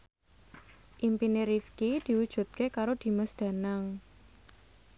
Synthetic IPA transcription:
ʔimpineɾifkid̪̥i̤wud̥ʒ̥ṳt̪̚kekaɾod̪̥i̤məsd̪̥a̤naŋ

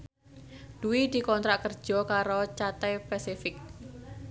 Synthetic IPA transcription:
d̪̥uwid̪̥i̤kɔnt̪ɾaʔkərd̥ʒ̥ɔ̤kaɾot͡ʃat̪ɛpɛsifɪk̚

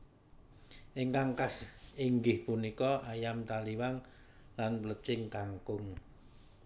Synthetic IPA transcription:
ʔɪŋkaŋkasiŋɡɪhpunikɔʔajamt̪aliwaŋ | lanplət͡ʃɪŋkaŋkʊŋ

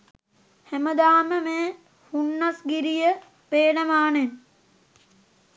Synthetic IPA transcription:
hæməd̪aːməmeː | hunːasɡiɾijə | peːnəmaːnem

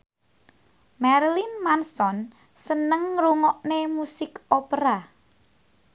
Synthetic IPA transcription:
mɛɾlinmansɔn | sənəŋɾuŋɔʔnemusɪkopəɾa

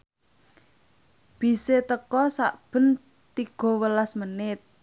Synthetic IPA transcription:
b̥i̤set̪əkɔsa̰ʔb̥ə̤n | t̪iɡ̥ɔ̤wəlasmənɪt̪̚

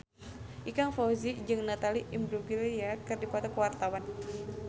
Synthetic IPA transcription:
ʔikaŋfɔzid͡ʒɨŋnat̪aliʔimbɾuɡiliakɨrdipɔt̪ɔkəwart̪awan

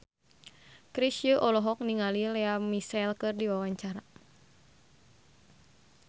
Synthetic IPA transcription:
kɾisjəʔɔlɔɦɔk̚niŋalilɛamisɛlkɨrdiwawaɲt͡ʃaɾa

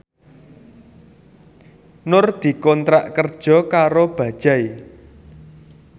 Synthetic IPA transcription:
nʊrd̪̥i̤kɔnt̪ɾaʔkərd̥ʒ̥ɔ̤kaɾob̥ä̤d̥ʒ̥ai

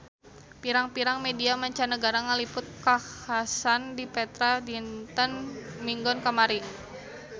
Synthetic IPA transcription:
piɾaŋpiɾaŋmediamaɲt͡ʃanəɡaɾaŋəlipʊt̪̚kahhasandipɛt̪ɾadint̪ənmiŋɡɔnkamaɾi

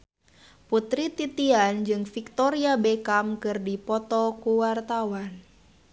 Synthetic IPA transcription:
put̪ɾit̪it̪iand͡ʒɨŋfik̚t̪ɔɾiabekamkɨrdipɔt̪ɔkuwart̪awan

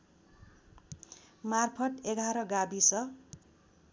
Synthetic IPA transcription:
marpʰʌʈeɡʱaɾʌɡabisʌ

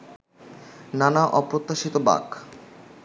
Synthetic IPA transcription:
nanaʔɔpɾot̪ːaʃit̪oba̰k

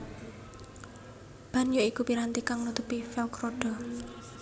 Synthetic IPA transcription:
b̥a̤njoikupiɾant̪ikaŋnut̪upifɛlkɾoɖ̥ɔ̤

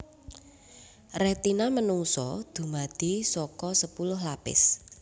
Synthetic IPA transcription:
rɛt̪inamənuŋsɔ̰d̪̥ṳmad̪̥i̤sɔkɔsəpulʊɦlapɪ̰s

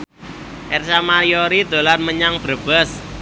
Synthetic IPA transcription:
ʔɛrsamaɾioɾid̪̥o̤lanməɲaŋb̥ɾə̤b̥əs

